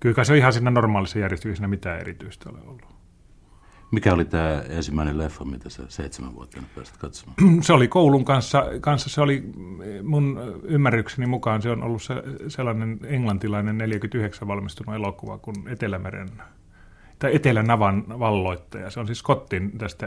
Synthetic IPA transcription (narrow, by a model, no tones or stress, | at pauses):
kylkɑseoihɑsiːnænormɑːlisːejærjest̪yksæsinæmit̪æːḛrit̪yist̪æo̰lḛolːu | mikæolit̪æːensimːæˑinellefːɑmit̪æsæ̰seˑit̪semæ̰ʋʋṵo̰t̪ːˑɑnytpæ̰ːsæ̥t̪kɑt̪so̥mɑːseolikouluŋkɑnsːɑkɑnsːɑseolimunymːærːyksenimukɑnseono̰lːusseselːɑneneŋlɑnt̪ilɑinenneljækyt̪yheksæʋʋɑlmist̪unuelokuʋɑ̰kunet̪elæmḛrḛn | t̪ɑet̪elænɑʋɑnʋɑlːoit̪ːɑjɑ̰seonsiskot̪ːint̪æst̪æ